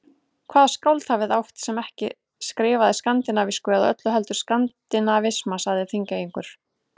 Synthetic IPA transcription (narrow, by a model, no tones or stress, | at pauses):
kʰvaːðskawlt̪havɪðawht̪sɛmɛhcɪ̰ | skɾɪːvaðɪskant̪ɪnaviskʏaðaœt̪lʏɦɛlt̪ʏɾ̥skant̪ɪnavɪsmasaɣðɪθiŋcajiŋkʏɾ̥